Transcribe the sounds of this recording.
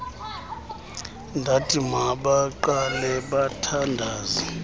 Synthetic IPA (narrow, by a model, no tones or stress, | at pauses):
ndʱatʼimaɓaǃalɛɓatʰandʱaːzi